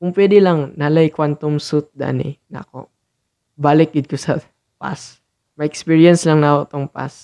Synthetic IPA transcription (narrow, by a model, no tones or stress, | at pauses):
kʊŋpwɛːd̪ɪlɐŋnalajkwant̪omsut̪̚d̪a̰nɛ̰nɐ̰ko̰ | baːlɪk̚ɪd̪̚kosɐ | pa̰s | mɐʔɛkspiɹjɐnslɐŋnɐʔkot̪oŋpa̰s